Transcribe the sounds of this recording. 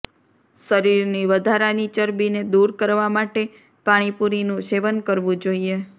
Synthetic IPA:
səɾiɾniʋəd̪ʱaɾanit͡ʃəɾbined̪uɾkəɾʋamaʈe | paɽ̃ipuɾinũʃeʋənkəɾʋũd͡ʒoie

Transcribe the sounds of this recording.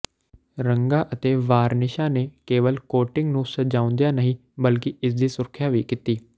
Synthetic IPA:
ɾəŋɡaːʔət̪eːʋaːɾnɪʃaːneːkeːʋəlkoːʈɪ̃ŋɡnũːsəd͡ʒaːʊ̃nd̪ejaːnəɦĩː | bəlkɪɪs̬d̪iːsʊɾkʰjaːʋiːkiːt̪iː

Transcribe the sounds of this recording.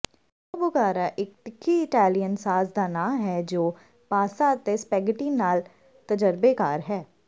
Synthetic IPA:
obʊɣaːɾaːʔɪk̚t̪ɪkʰːiɪʈaːlijənsaːsd̪aːnaːmɦɛːd͡ʒoː | paːsaːt̪espɛːɡəʈiːnaːl | t̪əd͡ʒəɾbeːkaːɾɦɛː

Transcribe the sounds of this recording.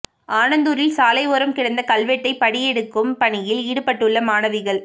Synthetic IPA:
ʔaːnɐnd̪uɾɪlsaːlɐɪʋɔɾɐmkɪɽɐnd̪ɐkɐlʋɛʈːɐɪpɐɽɪjɛɽɯkːɯmpɐɳɪjɪliːɽɯpɐʈːɯɭːɐmaːnɐʋɪɣɐɭ

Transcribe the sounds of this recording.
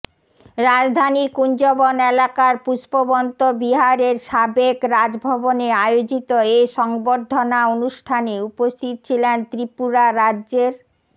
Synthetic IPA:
ɾad͡ʑd̪ʱaniɾkund͡ʑɔbonelakaɾpuʃpobɔnt̪obiɦaɾeɾʃabekɾad͡ʑbʱɔboneaeod͡ʑit̪oeʃɔŋboɾd̪ʱːonaonuʃʈʰaneupost̪ʰit̪o̥t͡ɕʰilent̪ɾipuɾaɾadːd͡ʑeɾ

